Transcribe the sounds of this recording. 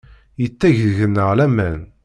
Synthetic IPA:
jət͡sːæʝðʝənːəʁlæmæn

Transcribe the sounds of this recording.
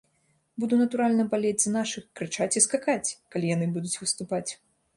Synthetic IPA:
bud̪unɐt̪uɾalʲnɐbalʲed͡zʲznaʂɨxkɾɨt͡ʂat͡sʲiskakat͡sʲkalʲijanɨbud̪ut͡sʲvɨst̪upat͡sʲ

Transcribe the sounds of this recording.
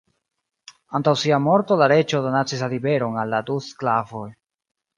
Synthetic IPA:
antawsiamo̞ɾto̞laɾe̞t͡ʃo̞donat͡sisalibe̞ɾo̞nalːadusklavo̞j

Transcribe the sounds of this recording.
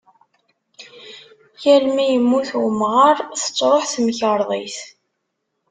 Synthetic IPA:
jælmijəmːuθwəmʁəɾˤθə̥t͡sːɾˤoħθməçəɾˤðˤḭθ

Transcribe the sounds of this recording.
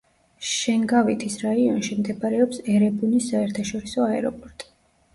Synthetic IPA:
ʃɛŋɡavit̪ʰisɾaiɔnʃimd̪ɛbaɾɛɔpsɛɾɛbunisːaɛɾt̪ʰaʃɔɾisɔaɛɾɔpʼɔɾt̪ʼi̥

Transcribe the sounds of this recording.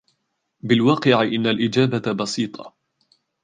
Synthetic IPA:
bɪlwɑːqɪʕɪʔɪnːalʔɪd͡ʒaːbabɑsiːt̪ˤʰɑ̰

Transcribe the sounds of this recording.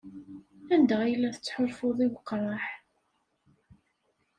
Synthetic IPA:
ænd̪əʁijəlːæθə̥t͡sːħʊɾfʊðˤiwəqːɾˤɑħ

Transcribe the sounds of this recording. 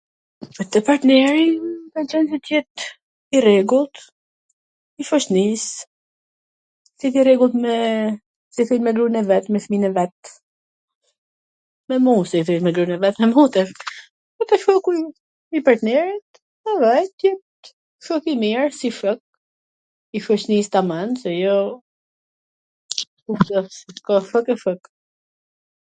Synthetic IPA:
pat̪ɛpaɾt̪nɛɾik̪at͡ʃɛnsɛt̪jɛt̪ | irɛɡulˠt̪ | ifɔʃt̪nis | sɛθirɛɡulˠt̪mɛ | sɛθilmɛɡɾunɛvɛt̪mɛθminɛvɛt̪ | mɛmusɛθilmɛɡɾunɛvɛt̪mɛmut̪ɛ | fɔk̪ɛʃfɔkuj | ipaɾt̪nɛɾit̪ | avɛjt̪jɛt̪ | fɔkimiɾsifək̚ | ifɔnist̪amansɛjɔ | ut̪əkɔfəkɛfək

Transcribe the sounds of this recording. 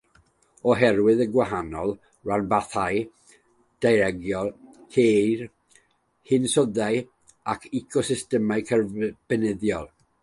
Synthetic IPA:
ɔɦɛrwɨðəɡwaɦanɔlˠ | ɹanbaθaj | d̥ajɾɛɡjɔlˠkʰer | hɪnsɔðaj | akʰikʰɔsɪstɛmaɨkʰərb̥ɛnɛðjɔlˠ

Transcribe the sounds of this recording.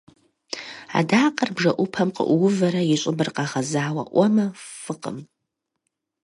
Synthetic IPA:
a̰daːqʼɐrbʐɐʔʷʊpʰɐmqə̰ʔʷwʊvɐɾɐjɪɕʼɪbɨrqaʁazaːwɐ̰ʔʷɐmɐfɨqʼə̰m

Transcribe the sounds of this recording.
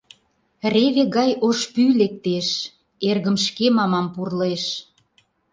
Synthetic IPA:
reβeɣɑjoʃpylek̚t̪eʃ | erɣə̆mʃkemɑmɑmpurleʃ

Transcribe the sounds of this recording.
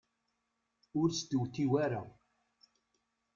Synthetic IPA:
ʊɾst̪əwθiwæɾa

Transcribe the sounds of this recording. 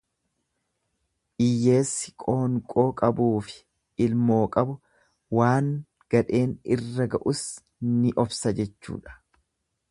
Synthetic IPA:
ʔɪjːe̞ːsːɪ̥kʼoːŋkʼo̞ːkʼɐbuːfɪ̥ | ɪlmo̞ːkʼɐbʊ | waːŋ | ɡ̥ɐᶑe̞ːnɪrːɐɡɐʔʊs | nɪʔɔfsɐd͡ʒɛt͡ʃːṵːᶑɐ̥

